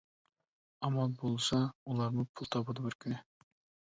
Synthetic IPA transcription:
ɑmɑlˠbolˠsɑulˠɑɾmupʰulˠt̪ʰɑpɑd̪ɪbøɾkʲʰynɪ

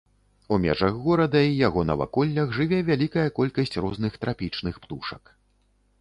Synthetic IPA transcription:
umʲɛ̰ʐɐɣːɔɾɐd̪ɐijaɣɔnɐ̰va̰kɔlʲːɐɣʐɨvʲɛvʲalʲikɐjɐkɔlʲkɐsʲt͡sʲrɔznɨxt̪ɾʔapʲit͡ʂnɨxpt̪uʂɐk

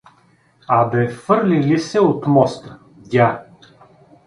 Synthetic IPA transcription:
abɛfɤɾlilisɛot̪mɔst̪ə̥ | dʲa

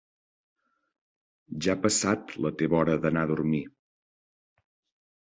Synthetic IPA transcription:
ʒapəsat̪lət̪eβɔɾəðənaðuɾmi

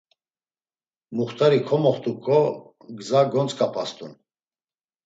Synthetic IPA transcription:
muχt̪ʰaɾikʰɔmɔχt̪ʼukʼɔ | ɡzaɡɔnt͡sʼkʼapʰast̪ʰʼṵn

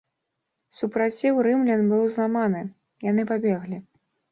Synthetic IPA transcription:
supɾat͡sʲiwɾɨmlʲɛnbɨwzlˠamanɨ | janɨpabʲɛɣlʲi

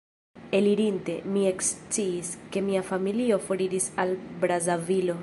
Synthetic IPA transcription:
e̞liɾinte̞̰mie̞kst͡siːske̞miafamilio̞fo̞ɾiɾisalbɾazavilo̞

